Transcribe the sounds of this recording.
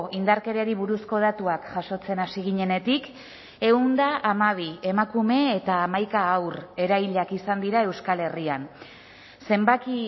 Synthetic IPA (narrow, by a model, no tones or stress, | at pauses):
ind̪aɾke̞ɾeaɾiβuɾusko̞ð̞at̪uakʝ̥aʃo̞t͡se̞nasiɣiɲe̞ne̞t̪ik | e̞und̪aʔamaβ̞ie̞makume̞ːt̪aːmajkaːwre̞ɾajʎakisand̪iɾae̞wskale̞rian | se̞mbaki